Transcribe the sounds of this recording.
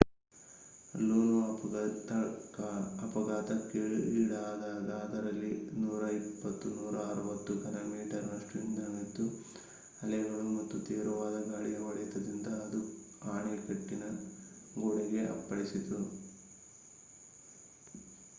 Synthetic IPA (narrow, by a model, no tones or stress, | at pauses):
luːnut̪ | ɐpɐɡaːt̪ɐkiɭiːɽaːd̪aːɡ̪aːd̪ɐɾɐlːinuːɾɐipːɐt̪ːunuːɾɐːɾuʋɐt̪ːukɐnɐmiːʈɐɾnɐʂʈuind̪ɐŋit̪ːu | ɐlɛɐɡɐɭumɐt̪ːut̪iːɾuʋaːd̪ɐɡaːɭijɐʋɐɭijt̪ɐd̪ind̪ɐːd̪u | aːɳikɐʈːinɐ | ɡoɽɛɡeʔɐ̰pːɐɽisit̪u